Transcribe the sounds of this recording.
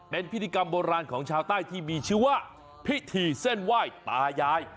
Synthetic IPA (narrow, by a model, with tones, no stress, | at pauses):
pe˧npʰi˦˥t̪ʰi˧ka˧mboː˧ɾaː˧nkʰɔː˩˦ŋt͡ɕʰaː˧wt̪aː˥˩jt̪ʰiː˥˩miː˧t͡ɕʰɯː˥˩waː˥˩ | pʰi˦˥t̪ʰiː˧se˥˩nwaː˥˩jt̪aː˧jaː˧j